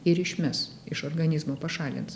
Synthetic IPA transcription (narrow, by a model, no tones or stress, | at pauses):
ɪɾɪʃʲmʲɛs | ɪʃoɾɡɐnʲɪzmoːpɐʃɑːlʲɪ̰ns